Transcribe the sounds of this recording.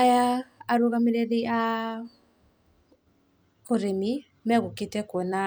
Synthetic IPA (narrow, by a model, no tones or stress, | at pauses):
ajaaɾoɣamiɾɛðea | koɾemi | mɛɣoketɛkɔna